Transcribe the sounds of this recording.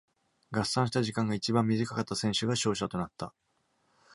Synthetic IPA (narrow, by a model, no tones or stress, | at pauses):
ɡasãɰ̃ɕ̬i̥t̪aʑikãŋɡait͡ɕibãmːʲizikakat̪ːasẽ̞ɰ̃ɕɨɡaɕo̞ːɕat̪o̞nat̪ːa